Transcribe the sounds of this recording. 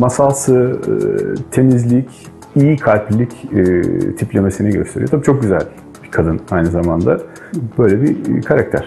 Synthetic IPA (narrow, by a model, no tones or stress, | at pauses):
masalˠsɯ | t̪ʰe̞mizlʲic | ijkʰalʲplʲːic | t̪ʰiplʲe̞mesinɛɟø̞st̪ʰe̞ɾijot̪ʰabiːt͡ʃʰo̞k̚ɟyzælʲ | b̥ikʰad̪ɯnajnɯzamand̪a | b̥ø̞jlʲebikʰaɾak̚t̪ʰæ̰ɾ̥